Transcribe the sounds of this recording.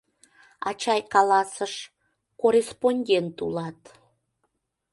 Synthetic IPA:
ɑt͡ɕɑjkɑlɑsəʃ | korʲesponʲdʲent̪ulɑt̪

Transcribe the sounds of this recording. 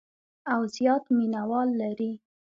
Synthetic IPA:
awzjɑt̪minawɑlːaɾi

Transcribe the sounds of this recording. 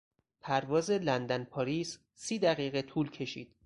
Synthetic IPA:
pʰæɾvɒːzelænd̪ænpʰɒːɾiːz | siːd̪æɣiːɣe̞t̪ʰuːlcʰe̞ʃḭːd̪̥

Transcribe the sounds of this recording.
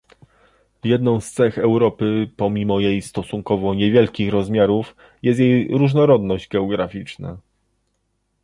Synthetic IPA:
jɛd̪nɔ̃w̃st̪sɛxɛwɾɔpɘpɔmʲimɔjejst̪ɔsuŋkɔvɔɲɛvʲjɛlkʲixɾɔzmʲjaɾuf | jɛst̪jejɾuʐnɔɾɔd̪nɔʑd͡ʑɡɛɔɡɾafʲit͡ʂna̰

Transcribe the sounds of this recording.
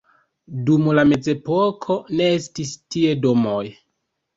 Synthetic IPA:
dumlame̞ze̞pokʰo̞ne̞e̞stistie̞do̞mo̞j

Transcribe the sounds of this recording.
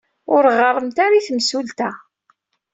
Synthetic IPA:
ʊɾʁərˤːəmt̪aɾiθmsult̪a

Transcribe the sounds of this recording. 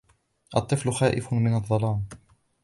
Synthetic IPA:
ʔɑt̪ˤːɨflʊxaːʔɪfmɪnɑðˤːɑlɑːn

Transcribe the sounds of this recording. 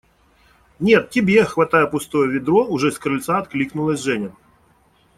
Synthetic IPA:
nʲet̪tʲɪbʲexvɐt̪ajɛpʊst̪ojɛvʲɪd̪ɾɔʊʐɛskɾɨlʲt̪saɐt̪klʲiknʊlˠɐsʲʐɛnʲɛ

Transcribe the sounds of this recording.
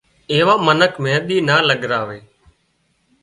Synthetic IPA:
eːʋaːmənəkʰmẽːɗ̪iːnaːləɠɾaːʋeː

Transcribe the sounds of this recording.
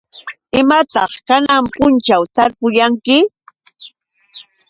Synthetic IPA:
ɪmat̪ɑχkanampʊnt͡ʃawt̪aɾpʊjaŋkɪ

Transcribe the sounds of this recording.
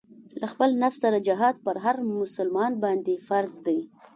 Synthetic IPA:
laxpəlnafsːaɾad͡ʒaɦɑd̪̚pəɾɦaɾmʊsʊlmɑnbɑnd̪efaɾzd̪aj

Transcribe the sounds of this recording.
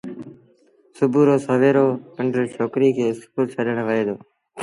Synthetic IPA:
sʊbʱuːɾoːsəʋeːɾoːəɳɖəɾt͡ʃʰoːkɾiːkʰeːspuɾt͡ʃʰəɗəɳ̃ʋəeːd̪oː

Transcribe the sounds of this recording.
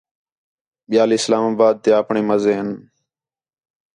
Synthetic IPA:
ɓɪjaːliːslaːmaːbaːd̪̚t̪eːəpɳeːməzeːɦən

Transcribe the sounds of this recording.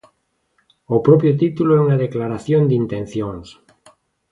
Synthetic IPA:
opɾɔpjot̪it̪uloɛuŋaðeklaɾaθjond̪int̪ẽn̟θjoŋs

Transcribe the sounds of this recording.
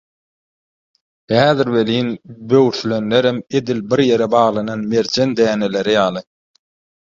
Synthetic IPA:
hæːðiɾβe̞liːnbøwɾθylønleɾeme̞d̪ilbiɾje̞ɾebɑːʁlˠɑnɑnme̞ɾd͡ʒend̪æːne̞le̞ɾijɑːlˠɯ

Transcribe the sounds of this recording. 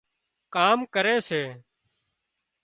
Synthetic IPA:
kaːmkəɾeːseː

